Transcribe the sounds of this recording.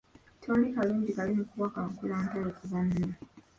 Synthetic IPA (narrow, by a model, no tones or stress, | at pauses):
tʰoːlikaluːɲɟikalimukuwakaokulaːntaɾokuzanna